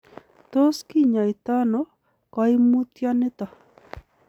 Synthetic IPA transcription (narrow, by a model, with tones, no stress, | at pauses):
t̪o˦ski˦ɲa˨i˨t̪a˦nɔ˦ | kɔ˦i˦mu˦t̪ja˦nɪ˦t̪ɔ˨